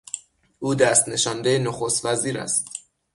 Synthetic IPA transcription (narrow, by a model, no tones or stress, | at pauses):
ʔuːd̪æst̪ne̞ʃɒːnd̪ejenoxost̪væziːɾæ̰st̪